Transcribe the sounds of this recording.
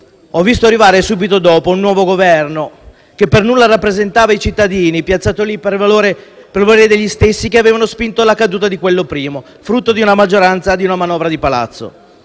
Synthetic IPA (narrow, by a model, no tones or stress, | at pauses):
ɔvːist̪oarːivaːɾesuːbit̪od̪ɔːpounːwɔːvoɡovɛrno | kepːernulːaɾapːɾezent̪aːvait͡ʃit̪ːad̪iːnipjat̪saːt̪olipervaloːɾe | pervaloɾed̪eʎːist̪esːikeaveːvanospint̪olakad̪uːt̪ad̪ikwelːopɾiːmo | fɾut̪ːod̪iunamad͡ʒːoɾant̪sad̪iunamanɔːvɾad̪ipala̰t̪sːo̰